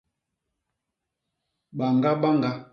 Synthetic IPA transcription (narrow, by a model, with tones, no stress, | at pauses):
ɓa˨ŋɡa˦ɓa˦ŋɡa˦